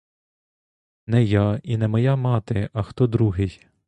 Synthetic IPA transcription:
nɛjainɛmɔjamɑt̪ɪɐxt̪ɔd̪ɾuɦɪj

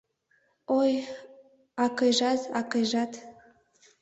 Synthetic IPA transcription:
oj | ɑkeʒɑzɑkeʒɑt̪

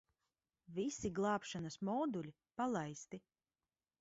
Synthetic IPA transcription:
visiɡlˠɑːpʃanɐsmɔːd̪ulʲi | palˠajst̪i

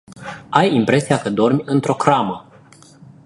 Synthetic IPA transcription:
ajimpɾe̞siakəd̪o̞rmʲɨnt̪ɾo̞kɾamə

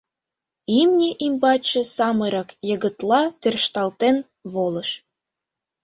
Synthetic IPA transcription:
imnʲeʔimbɑt͡ɕĕsɑmɤɾɑkjə̆ɣə̆t̪lɑt̪ørʃt̪ɑlt̪en | βoləʃ

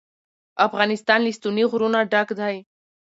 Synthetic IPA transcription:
ɐfɣaːnist̪aːnlist̪uniɣʊɾunaɖakd̪ʱaj

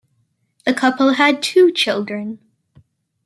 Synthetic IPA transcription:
ðɨkʰʌpl̩ˠɨd̚tʰʉt͡ʃʰɪlˠdɹɨ̃n

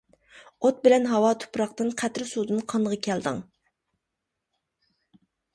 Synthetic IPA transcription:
ot̪̚bɪlɛnɦɑwɑt̪ʰʊ̥pɾɑqt̪ɨnqʰæt̪ɾɪsud̪ɨnqʰɑnd̪əʁɑkʲʰɛld̪ɨ̰ŋ

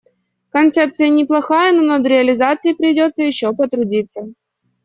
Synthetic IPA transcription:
kɐnt̪sɛp̚t̪sɨjənʲɪplˠɐxajənonɐd̪ɾʲɪɐlʲɪzat̪sɨjɪpɾʲɪdʲo̞t̪sːəjɪɕːopət̪ɾʊdʲit̪sːə

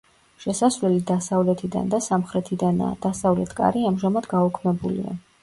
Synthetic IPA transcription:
ʃɛsasvlɛlid̪asavlɛt̪ʰid̪a̰nd̪asamχɾɛt̪ʰid̪and̪̥asavlɛt̪ʰkʼa̰ɾiamʒamad̪ɡaɔkʰmɛbulḭa̰

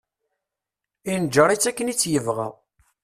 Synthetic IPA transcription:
ind͡ʒəɾˤit͡sːækːənit͡sːjəvʁæ̰

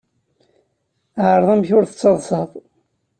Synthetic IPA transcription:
ʕəɾˤðˤæmçʊɾθə̥t͡sːɑðˤsɑðˤ

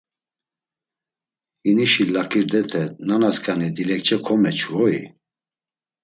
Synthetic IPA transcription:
iniʃilakʰʼiɾd̪ɛt̪ʰɛnanaskʰʼanid̪ilɛkt͡ʃʰɛkʰɔmɛt͡ʃʰvɔḭ

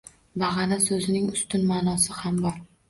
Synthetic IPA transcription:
baʁɑnasɵzɪnɪŋʊst̪ʊnmaːnɒsɪhambɒɾ

